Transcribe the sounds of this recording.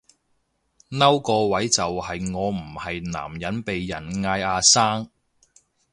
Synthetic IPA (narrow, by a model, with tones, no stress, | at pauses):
nɐ˥wkɔː˧wɐ˨˥jt͡sɐ˨whɐ˨jŋɔː˨˧m̩˨˩hɐ˨jna̰ː˨˩mjɐ˨˥npe˨jːɐ˨˩nŋaː˧jaː˧saː˥ŋ